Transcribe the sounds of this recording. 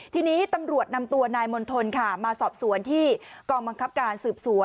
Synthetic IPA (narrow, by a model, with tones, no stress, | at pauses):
t̪ʰiː˧niː˦˥t̪a˧mɾu˨˩ət̪̚na˧mt̪u˧ɐnaː˧jmo˧nt̪ʰo˧nkʰa˥˩maː˧sɔː˨˩p̚su˩˦ənt̪ʰiː˥˩kɔː˧ŋba˧ŋkʰa˦˥p̚kaː˧nsɯː˨˩p̚su˩˦ən